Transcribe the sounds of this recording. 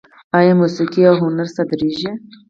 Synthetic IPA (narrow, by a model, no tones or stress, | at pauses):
ajemusikiawɦʊnaɾsad̪ɾiʒe